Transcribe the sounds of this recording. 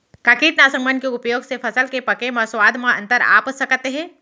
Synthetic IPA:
kaːkiːʈ̪naːsə̃ŋbənkeʊpjoːɡsepʰɐsəlkepɐkemɐswaːd̪mãɐ̰̃nt̪əɾa̰ːpsɐkt̪eɦɛ̃ː

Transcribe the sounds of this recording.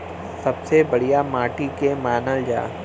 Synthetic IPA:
sɐbsebɐɽ̤ijamaːʈikemaːnəld͡ʒa̰ː

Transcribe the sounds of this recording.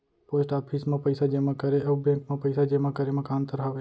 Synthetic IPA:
poːsʈaːpʰismẽpɐɪsad͡ʒemãkəɾeʔɐːbẽːŋkmẽpɐɪsad͡ʒemakəɾemɐkaːnt̪əɾɦaʋe

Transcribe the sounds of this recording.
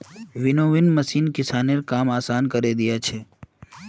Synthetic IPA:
ʋɪnoʋɪnməsiːnkɪsaːneɾkaːmaːsaːnkəɾed̪ɪjat͡ʃʰeː

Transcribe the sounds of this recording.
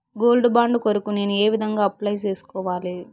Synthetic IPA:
ɡo̞ːlɖubaːɳɖukoɾukune̞ːnueːʋid̪ʱɐŋɡaːɐplɐjt͡ʃe̞ːsu̥kɔːʋaːli

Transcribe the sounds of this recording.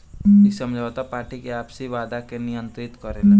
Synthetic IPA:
isəmd͡ʒʱaːt̪apaːɾʈikeaːpsiʋaːd̪akenɪjə̃nt̪ɾɪt̪kəɾen

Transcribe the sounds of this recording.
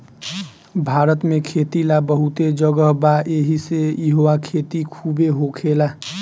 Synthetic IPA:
bʱaːɾət̪mẽkʰet̪ilabəɦut̪ed͡ʒəɡəɦbaʔeɦisejiɦoʋakʰeːt̪ikʰubeɦokʰela

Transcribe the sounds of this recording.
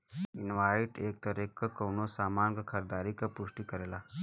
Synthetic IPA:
inʋaiʈek̚t̪əɾekːəkəwnosamanɡəkʰəɾd̪aɾikəpuʂʈikəɾela

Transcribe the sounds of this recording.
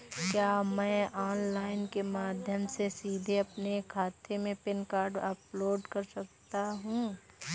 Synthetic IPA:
kjaːmɛ̃ːɔːnlaːɪnkemaːd̪ʱjəmsesiːd̪ʱeɐpnekʰaːt̪ʰemẽpɪnkaːɾɖɐploːɖkɐɾsɐk̚t̪aɦũː

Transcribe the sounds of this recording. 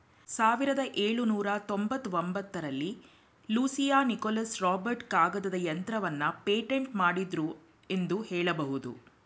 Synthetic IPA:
saːʋiɾɐd̪ɐʔeːɭunuːɾɐt̪o̞mbɐt̪ːuʋombɐt̪ːɐɾɐlːi | luːsijaːnikolɐsɾaːbɐɾʈkaːɡɐd̪ɐd̪ɐjɐnt̪ɾɐʋɐnːɐpeːʈeɳʈmaːɽid̪ɾu | e̞nd̪uhɛːɭɐbɐɦud̪ṵ

